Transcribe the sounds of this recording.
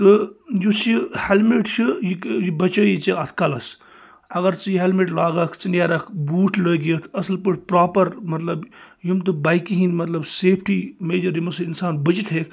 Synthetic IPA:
t̪ɨjusihelmeʈt͡ʃʰɨjikjibɐt͡ʃəːit͡ʃiɐt̪kɐlɐs | ɐɡɐɾt͡sɨjiɦelmeʈlaːɡɐkʰt͡sinʲjaːɾɐkʰbuːʈʰləːɡijət̪ʰɐsɨlpəʈʰʲpɾaːpɐɾmɐt̪lɐb | jimt̪ubaːjkiɦinmɐt̪lɐbseːpʰʈimeːd͡ʒɐɾimɐsinsaːnbɐt͡ʃit̪ʰɦeːk

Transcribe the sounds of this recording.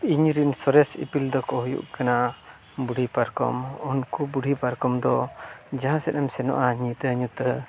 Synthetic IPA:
iɲɾinsɔɾɛsḭpild̪ɔkɔhujṵʔkana | buɽʱipaɾkɔ̰mɔnkubuɽʱipaɾkɔmd̪ɔd͡ʒaɦãsɛt̪ɛmsɛnɔ̰ʔaɲĩt̪ɛɲut̪ə

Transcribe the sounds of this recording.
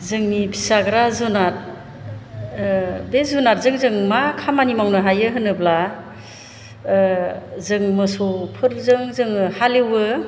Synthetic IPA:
zɯŋnibʰisaɡɾazunat̚ | bezunat̚zɯŋzɯŋmakʰamanimawnɯɦajɯɦɯnɯbla | zɯŋmɯsopʰɯɾzɯŋzɯŋhalewɯ

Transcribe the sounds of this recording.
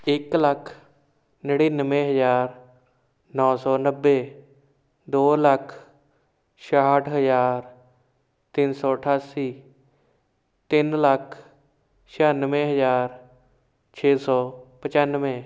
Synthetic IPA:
ɪkləkʰ | nəɽiːnəʋẽːɦəzaːɾ | nɔːsɔːnəbːeː | d̪oːləkʰ | ʃaːʈʰɦəzaːɾ | t̪ɪnsɔːəʈʰaːsiː | t̪ɪnləkʰ | ʃʰaːnʋẽːɦəzaːɾ | t͡ʃʰeːsɔːpət͡ʃanʋẽː

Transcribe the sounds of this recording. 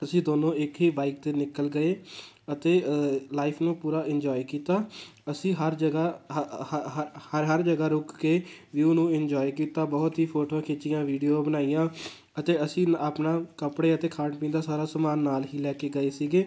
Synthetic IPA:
əsĩːd̪oːnõːɪkɦiːbaːɪk̚t̪eːnɪkəlɡəeː | ət̪eːlaːɪpʰnũːpuːɾaːʔɪnd͡ʒɔːikiːt̪aːəsĩːɦəɾd͡ʒəɡaː | həɾɦəɾd͡ʒəɡaːɾʊkkeːʋiʊnũːɪnd͡ʒɔːikiːt̪aːbɔːt̪ɦiːpʰoːʈõkʰeːt͡ʃɪjãːʋiːɖijoːbənaːijãː | ət̪eːəsĩːaːpnãːkəpɽeːət̪eːkʰaːɖpĩːnd̪aːsaːɾaːsəmaːnːaːlɦiːlɛːkeːɡəeːsiːɡeː

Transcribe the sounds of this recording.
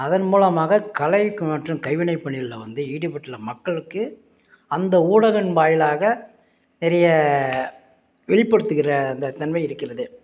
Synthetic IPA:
ɐðɐnmuːlɐmaːɣɐkɐlɐɪkːɯmɐʈrɯmkɐɪʋɪnɐɪpːɐɳːɪlɪlɐʋɐnd̪ɯiːɽɯpɐʈːɪlɐmɐkːɐɭɯkːɯ | ɐnd̪ɐuːɽɐɣɐnʋaːjɪlaːɣɐ | nɪɾɐjɐ | ʋɛɭɪpːɐɽɯt̪ːɯɣɪrɐːnd̪ɐt̪ɐnmɐɪɪɾɯkːɪrɐðɯ

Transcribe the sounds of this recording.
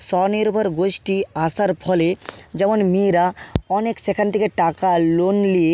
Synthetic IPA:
sɔniɾbʱɔɾɡosʈiasaɾpʰɔled͡ʑɛmonmiɾaɔneksekʰant̪ʰekeʈakalonlie

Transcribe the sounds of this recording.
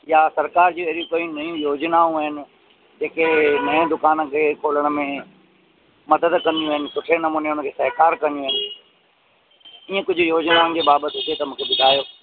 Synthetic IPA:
jasɐɾkaːɾd͡ʑuːeɾijũkɐjũnɐjũjoːd͡ʑnaũɐɦɪnɪ̆ | d͡ʑeːkenɐẽd̪ʊkaːnə̆kʰeːkʰoːləɽ̃mẽ | mɐd̪əd̪kɐ̃nijũɦɪnɪ̆sʊʈʰenɐmũːneʊnəkʰeːsɐɦɪkaːɾkɐ̃nijũɦɪnɪ̆ | iẽkʊd͡ʑʱʊjoːd͡ʑnaːʊ̃n̆d͡ʑeːbaːbət̪ɪɦʊt̪et̪ɐmũːkʰebɪʈaːjoː

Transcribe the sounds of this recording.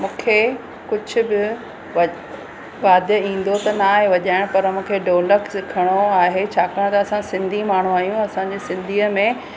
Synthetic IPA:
mũːkʰe | kʊd͡ʑʱʊ̆bɪ | ɐ | ʋaːd̪jəĩːn̆d̪ot̪ɐnaːɦeʋɐʄaːɪɽ̃pɐɾmũːkʰeɖoːləksɪkʰəɽ̃oaːɦet͡ɕʰaːkɐɽ̃t̪ɐɐsãsɪ̃nd̪ʱimaːɳ̤ũaːɦijũɐsãːd͡ʑeːsɪ̃nd̪ʱiːəmẽ

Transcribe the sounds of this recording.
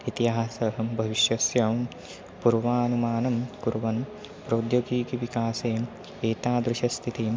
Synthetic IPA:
it̪iɦaasɐɦɐbʱɐʋiʃjɐsjɐ | puɾʋaːnumaːnɐmkuɾʋɐn | pɾɐːd̪joɡiːkiʋikaːseː | eːt̪aːd̪ɾuʃɐst̪ʰit̪i

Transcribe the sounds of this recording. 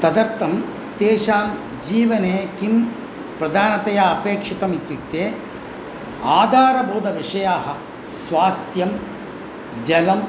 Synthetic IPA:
t̪ɐd̪ɐɾt̪ɐm | t̪eːʃaːm | d͡ʒiːʋɐneːkim | pɾɐd̪ʱaːnɐt̪ɐjaɐpeːkʂit̪ɐmit̪ːut̪eː | aːd̪ʱaːɾɐbʱuːd̪ʱɐʋiʂɐjaːɦɐ | sʋaːst̪jɐm | d͡ʒɐlɐm

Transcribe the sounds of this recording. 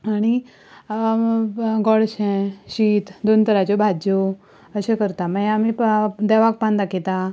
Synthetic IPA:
aɽ̃i | ɡɔɽɕẽɕiːt̪d̪ont̪əɾat͡ɕjobʱad͡ʑjo | əɕẽkəɾt̪amajamid̪ɛʋak̚pãnd̪akʰet̪a

